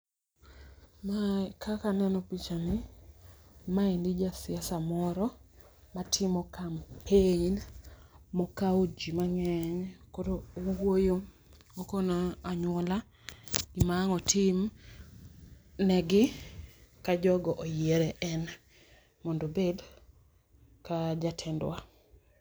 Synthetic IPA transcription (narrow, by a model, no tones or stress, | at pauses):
makʰakanɛnɔpit͡ʃanɪ | maindid͡ʒasɪasamɔɾɔ | matʰɪmɔkampʰeɲn | mɔkaod͡ʒimaŋɛɲkodoowwojo | okonaaɲwɔla | ɡimaːŋɔtʰim | nɛɡɪ | kad͡ʒɔɡɔʔojeɾɛʔɛn | mondobed | kad͡ʒatʰɛndwa